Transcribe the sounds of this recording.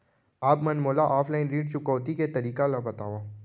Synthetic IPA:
aːpmɐnmoːlaʔaːfʰlaːɪnɾiːɖt͡ʃʊkɔːt̪iket̪ɐɾiːkalabɐt̪aːʋaː

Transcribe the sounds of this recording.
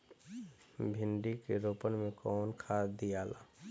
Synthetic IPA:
bʱɪɳɖikeɾoːpənmẽkɔːnkʰaːd̪ijaːla̰ː

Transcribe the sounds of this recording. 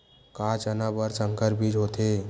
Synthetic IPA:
kat͡ʃənabəɾsəŋkəɾbʱid͡ʒɦot̪e

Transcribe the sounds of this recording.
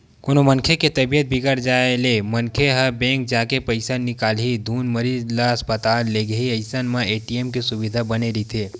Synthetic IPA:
koːnomɐ̃nkʰeket̪ɐbijət̪̚bʱɪɡəɾd͡ʒaːelemɐnkʰeɦəbɛ̃ːŋk̚d͡ʒaːkepɐɪsanɪkaːlɦid̪ʱuːnmɐɾiːd͡ʒlaɐspət̪aːlːeɡəɦiɐɪsənmãeːʈiemkesʊʋɪd̪ʱabɐneɾit̪ʰeː

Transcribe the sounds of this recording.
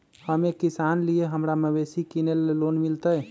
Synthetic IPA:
həmekisanlijeɦəmɾamebesikinellonmilt̪əj

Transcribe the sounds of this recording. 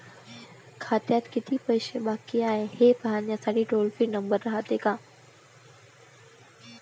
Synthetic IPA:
kʰaːt̪jat̪kɪt̪ʰipɐɪʃeɓaːkiaːɦẽheːpəɦaːnijãsaːɖiʈoːlfinɐ̃mbəɾːɐɦat̪eːkãː

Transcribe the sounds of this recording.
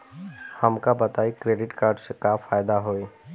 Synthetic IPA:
hɐmkabɐt̪aːikɾeːɖɪʈkaːɾɖsekaːfaːjd̪aɦoːeː

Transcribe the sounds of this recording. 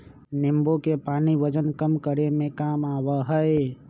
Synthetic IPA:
nimbokepaniʋəd͡ʒənkəmkəɾemẽkamaʋəɦəe

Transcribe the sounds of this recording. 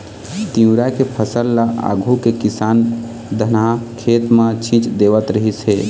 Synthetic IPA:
t̪iũɾakepʰəsəlːaʔa̰ɡʱukekisan | d̪ʱənakʰet̪mat͡ʃʰĩt͡ʃd̪eβət̪ɾəɦisɦe

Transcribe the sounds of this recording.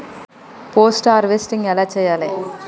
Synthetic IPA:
poːsʈaːɾʋesʈɪŋɐlɐt͡ʃːɐjale

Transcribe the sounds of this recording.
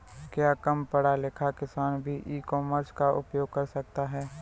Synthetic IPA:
kjaːkəmpɐɽalɪkʰakɪsaːnbʱiʔiːkɔːməɾskaʔʊ̰pjoːɡ̚kɐɾsɐk̚t̪aɦɛː

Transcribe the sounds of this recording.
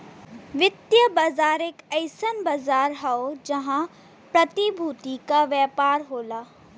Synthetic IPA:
ʋɪt̪jəbazaːɾeːkɐɪsənbɐzaːɾɦaod͡ʒɐɦã | pɾɐt̪ibʱuːt̪ikaʋjɛːpaːɾɦoːlaː

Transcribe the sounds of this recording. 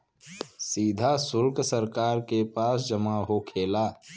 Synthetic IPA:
siːd̪ʱasʊɾksəɾkaːɾkepaːs̬d͡ʒəmaɦokʰeːlaː

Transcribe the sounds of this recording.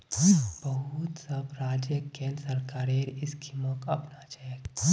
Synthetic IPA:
b̥ɐɦut̪sɐbɾaːd͡ʒjəkeːlsɐɾkaːɾeːɾɪskʰiməkɐpnat͡ʃɛjek

